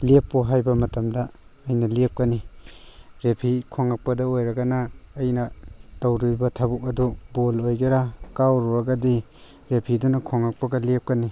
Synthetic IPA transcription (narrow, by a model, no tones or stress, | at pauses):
lepːɔɦajbɐmɐtɐmdɐːjnɐlep̚kɐni | ɾepʰikʰoŋak̚pɐdɐojɾɐɡɐnɐːjnɐtawɾibɐtʰabuk̚ɐdubolojɡeɾakawɾuɾaɡɐdi | ɾepʰidunɐkʰoŋak̚pɐɡɐlep̚kɐni